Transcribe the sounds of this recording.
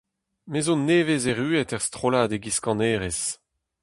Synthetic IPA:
mezonːeːvezeʁyːɛtɛʁst̪χolaːd̪eɡiskɑ̃neːʁes

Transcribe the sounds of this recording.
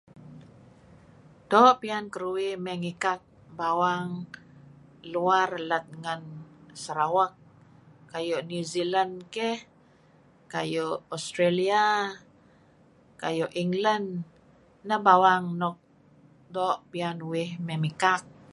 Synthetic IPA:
doʔpiankəɾuwɪhmɛŋikak̚ | bawaŋ | luarlat̪̚ŋansəɾawakː | ajɔʔnuzilankɛh | kajɔʔɔst̪ɾelia | ka̰jɔʔiŋlandː | abawaŋnɔk̚ | doʔpianuwɪhmɛmikak̚

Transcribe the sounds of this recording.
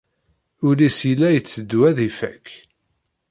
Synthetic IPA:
ʊlisilːæjət͡sːəd̪ːwæðifæk

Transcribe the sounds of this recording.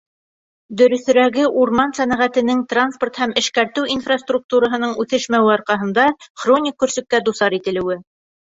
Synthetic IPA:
d̪ɵ̆ɾɵ̆θ̆ɾæɡɘʔuɾmɑnsænæʁæt̪ɘ̆nɘŋt̪ransport̪hæmɘ̆ʃkæɾt̪ɘwinfrast̪ruk̚t̪uɾɑɦɤ̆nɤɴʉθɘʃmæwɘɑɾqɑɦɤ̆nd̪ɑχronʲɪkːɵ̆ɾsɵ̆k̚kːæd̪usɑɾit̪ɘ̆lɘ̆wɘ

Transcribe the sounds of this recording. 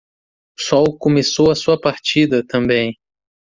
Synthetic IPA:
sɔwkõmesowɐsuɐpaɾt͡ʃid̪ɐt̪ɐ̃mbẽj̃

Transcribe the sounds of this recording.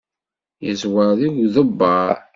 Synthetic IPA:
jəzwəðiɡðəbːɑɾ

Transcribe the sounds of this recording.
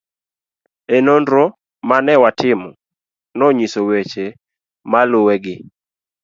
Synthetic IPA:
ɛnondɾo | manɛwatɪmɔ | nɔɲisowet͡ʃe | malʊwɛɡɪ

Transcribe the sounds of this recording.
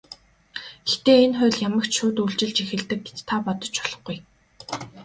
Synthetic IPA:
ext̪eːenχʊ̟ːɮjamə̆kt͡ɕʃʊːt̪uɮt͡ɕɪ̆ɮt͡ɕixɘ̆ɮt̪ɘ̆k̚ɡet͡ɕt̪ʰːapɔt̪ɞ̆t͡ɕɔɮɞ̆χɡuj

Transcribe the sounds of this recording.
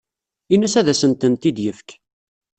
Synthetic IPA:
inæsæðæsənt̪ənt̪id̪jəfk

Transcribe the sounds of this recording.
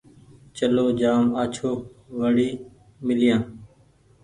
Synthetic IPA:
t͡ʃəloːd͡ʒaːmaːt͡ʃʰoːʋəɽiː | mɪljãː

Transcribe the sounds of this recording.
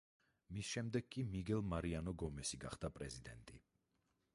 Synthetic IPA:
misʃɛmd̪ɛɡ̚kːʼimiɡɛlˠmaɾianɔɡɔmɛsiɡa̰χd̪̥apʼɾɛzid̪ɛ̰nt̪ʼi

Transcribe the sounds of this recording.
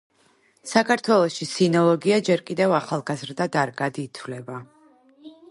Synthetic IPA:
sakʰaɾt̪ʰwɛlˠɔʃisinɔlˠɔɡiad͡ʒɛɾkʼid̪ɛvaχalˠɡazɾd̪ad̪aɾɡad̪iːt̪ʰvlɛba

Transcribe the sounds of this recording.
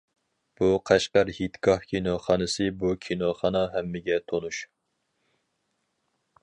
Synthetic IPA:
b̥uqʰæʃqɑɾhit̪kɑhkʲʰinoχɑnɨsɨbukʲʰinoχɑnɑɦɛmːɪɡʲɛt̪ʰonuʃ

